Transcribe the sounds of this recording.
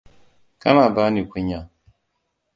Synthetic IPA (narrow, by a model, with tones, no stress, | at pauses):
ka˦na˨ba˦ni˨kʷi˦ɲa˨